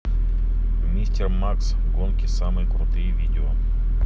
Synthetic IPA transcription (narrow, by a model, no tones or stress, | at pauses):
mʲnʲisʲtʲermaks | ɡonkʲɪsamɨjkɾʊt̪ɨjvʲidʲɪo